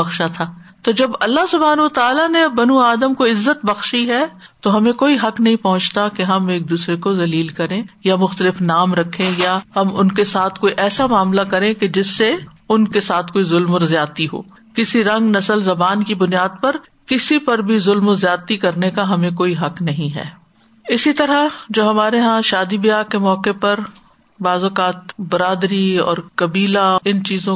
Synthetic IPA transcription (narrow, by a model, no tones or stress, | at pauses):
bɐxʃat̪ʰaː | t̪od͡ʒɐbɐlːaɦsʊbʱaːnɐwət̪aːlanebɐnuaːd̪əmkoɪzːət̪̚bɐxʃiɦɛ | t̪oɦɐmẽkoːiɦɐknɐɦĩpɐɦʊ̃t͡ʃt̪akeɦɐmeːk̚d̪uːsɾekozɐliːlkɐɾẽjamʊxt̪əlɪfnaːmɾɐkʰːẽjahɐmʊnkesaːt̪ʰkoːiʔɛːsamaːmlakɐɾẽked͡ʒɪsːe | ʊnkesaːt̪ʰkoːizʊlmʊɾzjaːt̪iɦo̰ː | kɪsiɾɐ̃ŋɡnɐsəlzɐbaːnkibʊnijaːd̪̚pɐɾ | kɪsipɐɾbʱizʊlmzjaːt̪ikɐɾnekaɦɐmẽkoːiɦɐqnɐɦĩɦɛ̰ː | ɪsit̪ɐɾad͡ʒoːɦɐmaːɾeɦãʃaːd̪ibijaːkemɔːkepɐɾ | baːzoːkaːt̪bɐɾaːd̪ɾiɔ̰ːɾkɐbiːlaɪnt͡ʃiːzõ